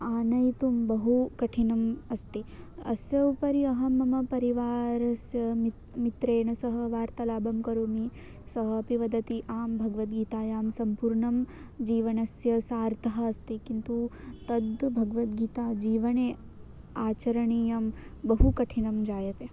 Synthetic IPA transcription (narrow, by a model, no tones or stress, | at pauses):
aːnɐjt̪umbɐɦukɐʈʰinɐmɐst̪iɐ̰sjɐʋpɐɾiɐɦɐmɐmɐpɐɾiʋaːɾɐsjɐmi | mit̪ɾeːɳɐsɐɦɐʋaːɾt̪ɐlaːbɐmkɐɾoːmi | sɐɦɐpiʋɐd̪ɐt̪iʔaːmbʱɐɡɐʋɐt̪ɡiːt̪aːjaːmsɐmpuːɾɳɐm | d͡ʒiːʋɐnɐsjɐsaːɾt̪ʰɐɦɐ̆ːst̪ikint̪ut̪ɐd̪bʱɐɡɐʋɐt̪̚ɡiːt̪aːd͡ʒiːʋɐneː | aːt͡ʃɐɾɐɳijɐmbɐɦukɐʈʰinɐmd͡ʒaːjɐt̪e